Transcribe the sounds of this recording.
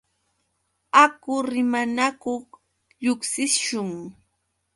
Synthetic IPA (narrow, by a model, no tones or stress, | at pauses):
akʊɾɪmanakoχ | ʎʊksɪʃʊŋ